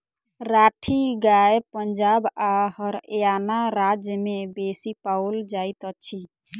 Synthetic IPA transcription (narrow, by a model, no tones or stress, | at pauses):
ɾaʈʰiɡajepənd͡ʒabahəɾejanaɾad͡ʒjəmebesipaʊld͡ʒajt̪ət͡ʃʰi